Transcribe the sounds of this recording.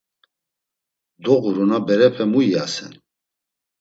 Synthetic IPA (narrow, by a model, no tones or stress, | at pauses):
d̪ɔɣuɾɔnabɛɾɛpʰɛmuiasɛ̰n